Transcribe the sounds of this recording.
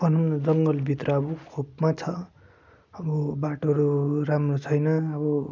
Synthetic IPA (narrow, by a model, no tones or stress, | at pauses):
ʌnʌmnʌd͡zʌŋɡʌlbʱit̪rʌʌbukʰopmat͡sʰʌ | ʌbʌbaʈoɾuɾamrot͡sʰʌjnʌʌbʌ